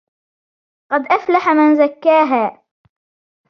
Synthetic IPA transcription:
qɑd̪ʔaflaħamanzakːaːɦaː

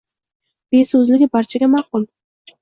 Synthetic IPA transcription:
b̥e̞sɵzlɪɡʲɪbaɾt͡ʃʰaɡʲamaqʊlˠ

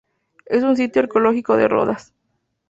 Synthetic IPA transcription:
es̬uns̬it̪joeɾkoloxiko̞ðḛro̰ðas

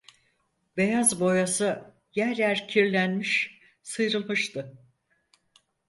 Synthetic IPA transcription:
be̞jazbo̞jasɯ | jæɾlʲæɾcʰiɾlʲænmiʃ | sɯjɾɯlˠmɯʃt̪ʰɯ

